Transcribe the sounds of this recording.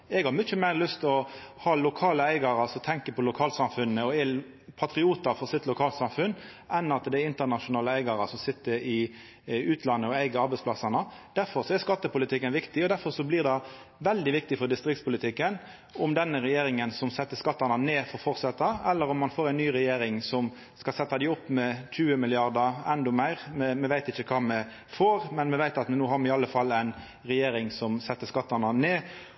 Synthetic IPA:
ɛɡhɑɾmʏçəmæɪɾlʏst̪ɔhɑːlʊkʰɑːləæɪɡɑɾɑsɔt̪ʰɛŋkəpʰɔlʊkʰɑːlsɑmfʉnːəɔɛ | pʰɑt̪ɾɪuːt̪ɑɾfɔsɪt̪lʊkʰɑːlt̪sɑmfʉnː | ʔɛnɑt̪d̪ɛæɪnt̪əʁnɑʃʊnɑːləæɪɡɑɾəsɔmsɪt̪ːəɾɪ | ʉːt̪ʰlɑnːəɔæɪɡəɑɾbɛɪspʰlɑsɑnəd̪̥æɾfɔɾsɔɛskɑt̪ːəpʊlɪt̪ʰɪkːənʋɪkt̪ɪɔd̪æɾfɔɾsɔblɪʁd̪ɛ | ʋɛld̪ɪʋɪk̚t̪ɪfɔɾd̪ɪst̪ɾɪk̚t̪spʊlɪt̪ʰɪkːən | ʊmd̪ɛnːəɾɛjeːɾɪŋənsɔmsɛt̪ːəskɑt̪ːɑnɑneːfɔɾfɔɾsɑt̪ːɑɛlːəɾɔmːɑnfoːɾæɪnnyːɾɛjeːɾɪŋsɔm | skɑlsɛt̪ːɑd̪æɪɔpːmɛc͡çʉːəmɪlɪɑʁd̪əɛnd̪ɔmæɪɾmɛmɛʋæɪt̪ɪçəkʰɑːmɛ | foːɾmɛnmɛʋæɪt̪ɑt̪nuːɦɑɾmɛɪɑlːəfɑlːæɪn | ɾɛjeːɾɪŋsɔmsɛt̪ːəskɑt̪ːɑnɑneː

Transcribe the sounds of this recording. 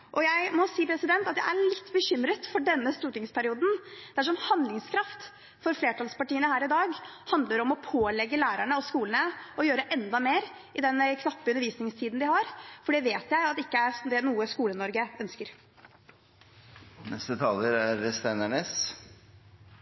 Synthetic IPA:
ʔɔjæɪmɔsiːpʰɾɛsɪd̪ɛnt̪ɑt̪̚jæ̰ɪʔæɭɪt̪ːbəɕʏmɾət̪fɔɖɛnːəst̪uːʈɪŋspʰæɾɪuːd̪n̩d̪̥ɛæʂ̬ɔmhɑnd̪lɪŋskʰɾɑft̪ | fɔɾfleːʈʰɑlspɑʈiːənəhæːɾɪd̪ɑːɡhɑnd̪ləɾɔmɔpʰoːlɛɡːəlæːɾæɳəɔskuːlənəɔjøːɾəʔɛnd̪ɑmeːɾ | ɪd̪ɛnkʰnɑpːəʉnːəɾʋiːsnɪŋst̪ʰiːd̪n̩d̪ɪhɑɾfɔɖɛʋeːt̪jæɪɑt̪ːɪkːəæɾd̪ɛnuːəskuːlənɔɾɡəœnskəɾ | nɛst̪ət̪ʰɑːləɾæɾst̪ænæɳeːs

